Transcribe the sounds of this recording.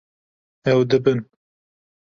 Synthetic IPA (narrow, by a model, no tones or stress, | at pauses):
ɛwd̪ɨbɨn